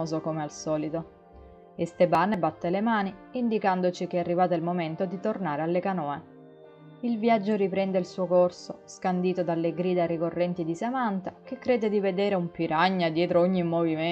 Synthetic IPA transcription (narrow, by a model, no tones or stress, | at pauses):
oːzokomealsɔːlit̪o | est̪ebanebat̪ːelemaːniind̪ikand̪ot͡ʃik̟earːivaːt̪eilmoment̪od̪it̪ornaːɾealːekanɔːe | ilvjad͡ʒːoɾipɾɛnd̪eilsuːokorsoskand̪iːt̪od̪alːeɡɾiːd̪arikorːɛnt̪id̪isamant̪ak̟ekːɾeːd̪ed̪ived̪eːɾeumpiɾaɲːad̪jɛːt̪ɾooɲːimːovime